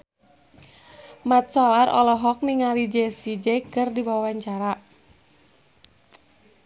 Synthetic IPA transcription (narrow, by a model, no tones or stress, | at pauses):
mat̪̚sɔlarʔɔ̰lɔɦɔk̚niŋalid͡ʒesid͡ʒekɨrdiwawawaɲt͡ʃaɾa